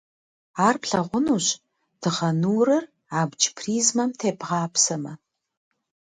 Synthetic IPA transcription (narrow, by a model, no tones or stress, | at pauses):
aːrpɬɐʁʷʊnuːɕ | d̥ɨʁɐnuːrɨr | aːbd͡ʒpʰriːzmɐmtʰeːpʁɑːpsɐmɐ